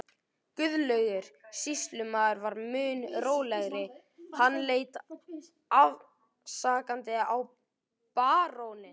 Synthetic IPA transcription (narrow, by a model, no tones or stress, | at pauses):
kʏðlœɥɣʏɾ̥sist̪lʏmaːðʏɾvaɾmʏːnɾoːwlɛɣɾɪ | hanːleːjt̪ | av | saːkant̪ɪaw | paːɾownɪn